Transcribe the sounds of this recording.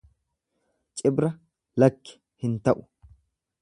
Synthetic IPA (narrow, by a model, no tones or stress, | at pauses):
t͡ʃʼɪbɾɐ | lɐkːɪ̥ | hɪnt̪ɐʔʊ̥